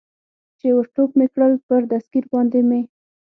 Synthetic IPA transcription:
t͡ʃewəɾʈok̚mekɽəlpəɾd̪askiɾbɑnd̪eme

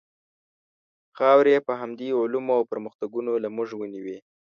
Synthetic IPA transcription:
xɑwɾjepəɦamd̪iʊlumoawpəɾməxt̪aɡunolamuʐwəniwi

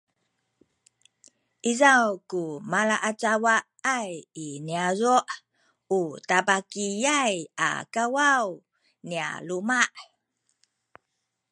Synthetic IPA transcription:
ʔizawkumalaʔat͡ʃawaʔajiniazuʔ | utabakijaja̰kawaw | nia̰lumaʔ

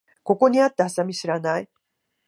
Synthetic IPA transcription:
ko̞ko̞ɲ̟iat̪ːeasamʲiɕiɾanai

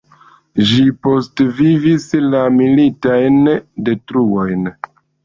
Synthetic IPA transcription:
ʒipo̞stvivislamilitajnde̞tɾuojn

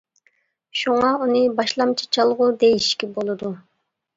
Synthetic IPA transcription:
ʃuŋɑunɨbɑʃlˠɑmt͡ʃʰɑ̥t͡ʃʰɑlˠʁud̪ejiʃkʲibolˠud̪u

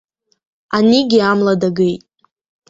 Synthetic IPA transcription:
aniɡʲiamladaɡejtʼ

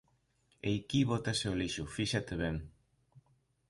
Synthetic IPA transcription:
ejkiβot̪aseoliʃʊfiʃat̪eβeŋ

